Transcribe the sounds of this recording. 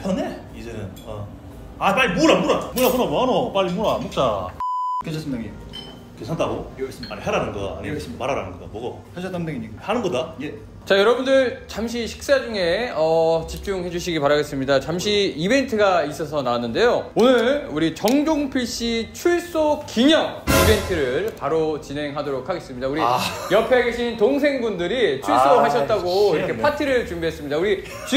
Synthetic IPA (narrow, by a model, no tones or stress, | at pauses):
hane | id͡ʑenɯn | a | apaɭːimoɾamuɾamuɾamuɾamoanop͈aʎːimoɾamok̚t͡ɕ͈a | ket͡ɕʰʌsɯmiaɡe | kesʰantaɡoesaɲiɦaɾanɯnɡʌa̰a̰ɲiesmaɾaɾa̰nɯnɡʌda̰mwʌɡa | hasʰatamdaɡiɲiɡahanɯnɡʌdaje | t͡ɕajʌɾʌbundɯɭt͡ɕamɕ̬ʰiɕʰi̥k̚s͈ad͡ʑuŋe̞ʌt͡ɕip̚t͡ɕ͈uŋhe̞d͡ʑuɕʰiɡipaɾaɡe̞s͈ɯmɲidat͡ɕamɕʰiibe̞ntʰɯɡais͈ʌsʰʌnaanːɯnde̞joonɯɭuɾit͡ɕʌŋd͡ʑoŋpʰiɭɕ͈it͡ɕʰuɭs͈okiɲʌŋibe̞ntʰɯɾɯɭpaɾot͡ɕine̞ŋɦadoɾok̚ʰaɡe̞s͈ɯmɲidauɾijʌpʰe̞ɡe̞ɕʰintoŋs̬ʰe̞ŋbundɯɾit͡ɕʰuɭs͈oɦaɕʰʌtt̚t͈aɡoiɾʌkʰe̞pʰatʰiɾɯɭt͡ɕumbiɦe̞s͈ɯmɲidauɾi | t͡ɕu